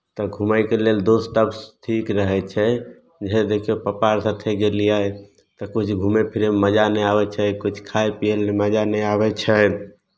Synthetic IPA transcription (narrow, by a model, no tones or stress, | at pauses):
t̪ɔɡʱumajkeleld̪osʈəbsʈʰikɾəɦɛt͡ʃʰɛ | d͡ʒɦɛd̪ekʰiopəpaɾsat̪ʰeɡelija | t̪ɔkut͡ʃʰɡʱumepʰiɾeməd͡ʒanɛabɛt͡ʃʰɛkut͡ʃʰkʰajpijeleməd͡ʒanɛabɛt͡ʃʰɛ